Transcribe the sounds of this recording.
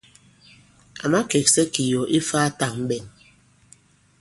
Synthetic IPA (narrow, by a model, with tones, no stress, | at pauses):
a̰˨ma˦ke˨k̚sɛ˦ki˨jɔ˨ʔi˦faː˦ta˨ŋm̩˦bɛ˨n